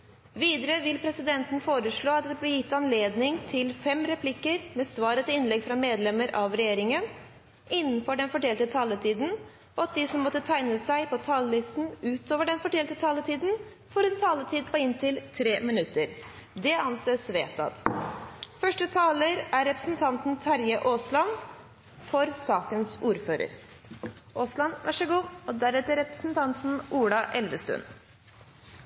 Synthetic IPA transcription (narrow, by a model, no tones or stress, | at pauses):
ʋiːd̪əɾəʋɪlpʰɾɛsɪd̪ɛnt̪n̩foːɾəʂɭoːɑt̪̚d̪ɛblɪjɪt̪ːɑnleːd̪nɪŋt̪ʰɪlfɛmɾɛpʰlɪkːəɾmɛːsʋɑːɾət̪ɪɪnlɛɡfɾɑmeːd̪lɛməɾʔɑʋɾɛjeːɾɪŋən | ɪnːənfɔɖɛnfɔʈɛːlt̪ət̪ʰɑːlət̪ʰiːd̪n̩ | ʔɔɑt̪̚d̪isɔmːɔt̪ːət̪ʰæɪnəsæɪpʰɔt̪ʰɑllɪst̪n̩ʉːt̪oːʋəɖɛnfɔʈʰɛːlt̪ət̪ʰɑːlət̪ʰiːd̪n̩ | fɔɾɛnt̪ʰɑːlət̪ʰiːd̪pʰɔɪnt̪ʰɪlt̪ʰɾeːmɪnʉt̪ːəɾd̪ɛɑnseːsʋeːt̪ɑ̰d̪ | fœʂʈət̪ʰɑːləɾæɾːɛpɾə̥sn̩t̪ʰɑnt̪n̩t̪ʰɑɾjəʔoːslɑn | fɔɾsɑːkənsuːɾføːɾə̰ɾ | ʔoːslɑnʋæʂɛɡuːɔd̪æɾɛt̪əɾɛpɾə̥sn̩t̪ʰɑnt̪n̩ʔuːɽɑʔɛlʋəst̪ʉ̰nː